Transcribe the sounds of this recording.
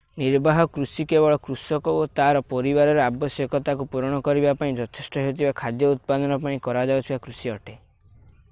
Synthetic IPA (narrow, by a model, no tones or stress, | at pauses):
niɾbaɦɔkɾusikebɔɭɔkɾusɔkɔot̪aɾɔpɔɾibaɾɔɾeabɔsjɔkɔt̪ak̬upuɾɔɽ̃ɔkɔɾibapaĩd͡ʒɔt̪ʰesʈɔɦewt̪ʰibakʰad̪jɔut̪̚pad̪ɔnɔpaĩkɔɾad͡ʒawt̪ʰibakɾusiɔʈe